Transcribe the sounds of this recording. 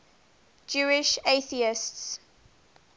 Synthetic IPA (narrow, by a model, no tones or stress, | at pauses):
d͡ʒuːɪʃeθiɪsts